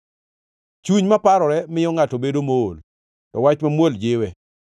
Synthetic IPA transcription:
t͡ʃuɲmapaɾɔɾɛmɪjɔŋatobedomoːl | tɔwat͡ʃmamwold͡ʒɪwɛ

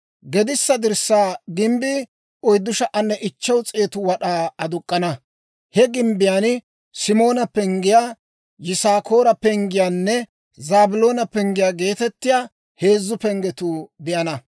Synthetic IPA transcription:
ɡɛd̪ɪsːɐd̪ɪɾsːaːɡɪmbɪ | ɔjd̪ːʊʃɐʔɐnːɛʔɪt͡ʃːɐwt͡sʼe̞ːt̪ʊwɐɗaːɐd̪ʊkʼːɐnɐ | hɛɡɪmbɪjaːn | sɪmo̞ːnɐpɛŋɡɪjaː | jɪsaːko̞ːɾɐpɛŋɡɪjaːnːɛ | zaːbʊlo̞ːnɐpɛŋɡɪjaːɡe̞ːt̪ɛt̪ːɪjaː | he̞ːzːʊpɛŋɡɛt̪uːd̪ɪjɐnɐ

